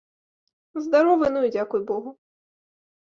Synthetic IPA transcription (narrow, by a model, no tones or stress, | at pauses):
zd̪aɾɔvɨnujd͡zʲakujbɔɣu